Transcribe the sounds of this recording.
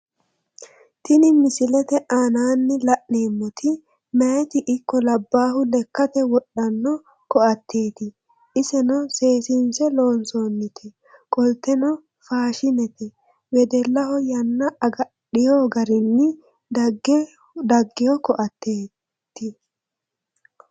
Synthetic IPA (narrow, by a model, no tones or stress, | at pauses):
t̪ɪnɪmɪsɪlɛt̪ɛʔaːnaːnːɪlɐʔne̞ːmːɔt̪ʰɪ | mɛjɛt̪ɪʔɪkːɔlɐbːaːhʊlɛkːɐt̪ɛwɔɗːɐnːɔ | kɔʔɐt̪ʰːeːt̪ɪ | ʔɪsɛnɔse̞ːsɪnsɛlo̞ːnsoːnːɪt̪ʰɛ | kʼɔlt̪ːɛnɔ | faːʃɪnɛt̪ɛ | wɛd̪ɛlːɐhɔjɐnːɐɐɡɐɗɪjoːɡɐɾɪnːɪ | d̪ɐɡɛ | d̪ɐɡːɪjɔkɔʔɐt̪ːeː | t̪ːɪ